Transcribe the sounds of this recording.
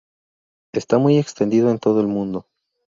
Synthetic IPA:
e̞st̪amuje̞kst̪e̞nd̪iðo̞e̞nt̪o̞ð̞o̞e̞lmũnd̪o̞

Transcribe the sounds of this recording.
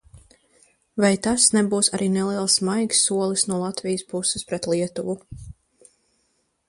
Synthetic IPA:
vajt̪asnɛbuːsaɾʔiːnɛlˠiɛlˠsmajɡsːuɔlˠisnuɔlˠat̪vijɪspusɪspɾɛt̪liɛt̪uvu

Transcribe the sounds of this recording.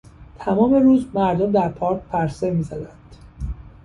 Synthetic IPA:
t̪ʰæmɒːme̞ɾuːzmæɾd̪omd̪æɾpʰɒːɾk̚ʲpʰæɾsemiːzæd̪ænd̪̥

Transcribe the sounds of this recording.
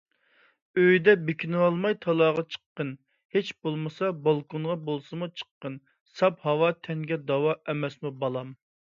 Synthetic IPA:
øjd̪ɛbekʲʰinwɑlˠmɑjt̪ʰɑlˠɑːʁɑt͡ʃʰə̥qːən | het͡ʃbolˠmɨsɑbɑlˠkonʁɑbolˠsɨmut͡ʃʰə̥qːən | sɑphɑwɑt̪ʰɛŋɡʲɛd̪ɑwɑʔɛmɛsmubɑlˠɑm

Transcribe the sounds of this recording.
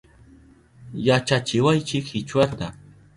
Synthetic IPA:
jat͡ʃat͡ʃɪwajt͡ʃɪkhɪt͡ʃwat̪a

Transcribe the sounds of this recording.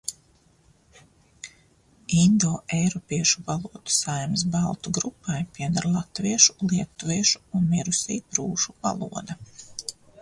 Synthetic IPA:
ind̪ɔːʔejɾɔpiɛʃuvalˠuɔd̪u̥sajms̬balˠt̪uɡɾupːajpʲiɛd̪aɾlˠat̪viɛʃu̥lˠiɛt̪ːuviɛʃu̥ːnmiɾusiːpɾuːʒuva̰lˠṵɔd̪ɐ

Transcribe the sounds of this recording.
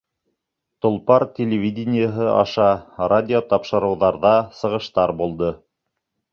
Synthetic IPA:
t̪ŏlˠpɑɾtʲelʲɪvʲidʲɪnʲɪjəɦɤʔɑ̰ʃɑradʲɪot̪ɑpʃɤ̆ɾɤ̆wðɑɾðɑsɤ̆ʁɤ̆ʃt̪ɑɾbulˠd̪ɤ

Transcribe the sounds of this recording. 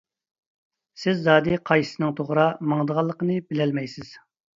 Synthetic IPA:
sɪzːɑːd̪ɨqʰɑjsɨnɨŋt̪ʰoʁɾɑmɑŋd̪əʁɑlˠːəqənɨbɪlɛlmɛjsɪz̥

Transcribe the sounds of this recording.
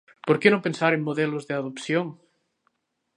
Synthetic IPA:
poɾkenõmpensaɾeŋmoðelozðeaðopθjoŋ

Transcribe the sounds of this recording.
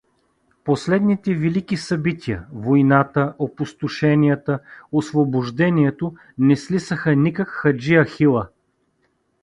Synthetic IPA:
poslɛd̪nit̪ɛvilikisɐbit̪ʲʰiə̰vojnat̪əʔopʊst̪ʊʃɛnʲijət̪əosvobʊʒd̪ɛniɛt̪o | nɛslisəxənikəkxɐd͡ʒiɐxilˠə

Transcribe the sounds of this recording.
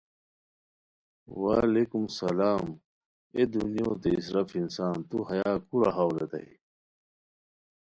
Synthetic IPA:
wa̰ːlekumsɐlaːm | ed̪unijoːd̪eisɾɐfinsaːnt̪uhɐjaːkuɾaɦaːwlet̪ɐ̰i

